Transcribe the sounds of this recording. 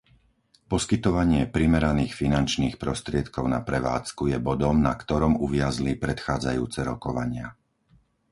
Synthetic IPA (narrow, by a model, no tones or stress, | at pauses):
pɔskit̪ɔʋaɲɪɛpɾimɛɾaniːxfinant͡ʃniːxpɾɔst̪ɾɪɛt̪kɔʊnapɾɛʋa̰ːt͡skujɛbɔd̪ɔmnakt̪ɔɾɔmuʋɪazlipɾɛt̪xaːd͡zajṵːt͡sɛɾɔkɔʋaɲɪa̰